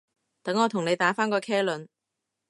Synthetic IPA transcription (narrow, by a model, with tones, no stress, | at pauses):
t̪ɐ˨˥ŋːɔː˨˧t̪ʰʊ˨˩ŋne˨˧jt̪aː˨˥faː˥nkɔː˧kʰɛː˥lɵ˨˧n